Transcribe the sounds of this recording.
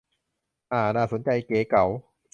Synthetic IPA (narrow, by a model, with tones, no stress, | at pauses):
ʔaː˧˩naː˧˩so˨˩˦nt͡ɕa˧jkeː˨˦ka˩˦w